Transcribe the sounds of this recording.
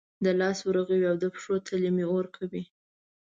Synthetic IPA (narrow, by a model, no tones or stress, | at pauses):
d̪əlɑswɾaɣawiawd̪əpʂot̪ʰalimioɾkʰawi